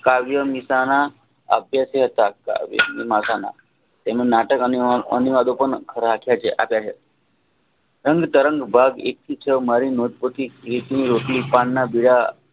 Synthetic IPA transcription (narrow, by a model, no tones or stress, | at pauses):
kaʋjəmisana | ə̰bʱjaseɦət̪aka̰ʋjə̰mimasana̰ | t̪emnenaʈəkənə̰niʋad̪opəɳkʰəɾɦakʰjat͡ʃʰeʔa̰pjat͡ʃʰe | ɾəŋɡt̪əɾə̃ŋɡbʱaɡek̚t̪ʰit͡ʃʰəmaɾinod̪̚pot̪iɾit̪iniɾoʈlipaɳːabiɽa